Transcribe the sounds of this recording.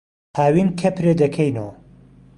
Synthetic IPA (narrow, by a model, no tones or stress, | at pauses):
hʰaːwinkʰɐpʰɾed̪ɐkʰejnɐwɐ